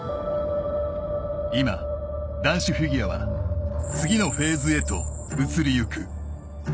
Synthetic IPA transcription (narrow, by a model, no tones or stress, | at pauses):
ima̰d̪ãɰ̃ɕiɸɯɡʲiaβa̰ | t͡sɨɡʲino̞ɸe̞ːzɨe̞t̪o̞̰ | ɯt͡sɨɾʲijɯ̟kɯ